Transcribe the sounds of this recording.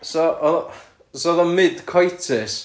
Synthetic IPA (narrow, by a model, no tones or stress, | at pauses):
sɔʔɔð | sɔðɔnmɪd̥kʰɔjtʰɪs